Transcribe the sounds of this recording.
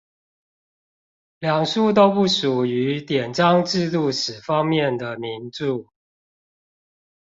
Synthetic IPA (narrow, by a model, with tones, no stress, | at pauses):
ljɑ˨˩ŋʂu˥˩t̪̬o˥ʊpu˥˩ʂu˨˩y˨˧˦t̪jɛ˨˩nʈ͡ʂɑ˦ŋʈ͡ʂɻ̩˥˧t̪u˥˩ʂɻ̩˨˩fɑ˦ŋmjɛ˥˨nd̪ə˩mi˨˦˥nʈ͡ʂu˥˨